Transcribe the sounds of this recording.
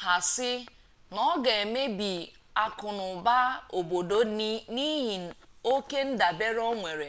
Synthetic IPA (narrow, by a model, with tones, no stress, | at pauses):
ɦa˨sɪ˦ | nɔ˦ɡe˨e˨me˦bi˨ | a˨kʊ˨nʊ˨ba˦o˨bo˨do˦ni˦ɦi˨ | o˦ke˦n̩˦da˨be˦ɾo˦ŋʷe˨ɾe˨